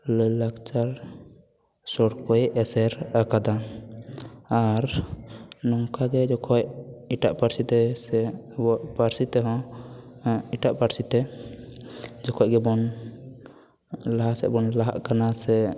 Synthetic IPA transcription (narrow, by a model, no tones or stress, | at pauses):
ləjlakt͡ʃaɾ | sɔɽkɔjɛsɛɾakad̪a | ɾ | nɔŋkaɡɛd͡ʒɔkʰɔciʈaʔpaɾsit̪ɛsɛ | bɔʔpaɾsit̪ɛɦɔ̃ | iʈaʔpaɾsit̪ɛ | d͡ʒɔkʰɔcɡɛbɔn | laɦaʔsɛ̰bɔnlaɦa̰ʔkanasɛ